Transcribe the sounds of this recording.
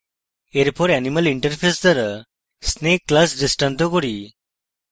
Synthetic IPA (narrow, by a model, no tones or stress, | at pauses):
eɾpʰoɾɛniməliɳʈəɾpʰesd̪əɾ | sneːkːlasɖesʈãnt̪okoɽi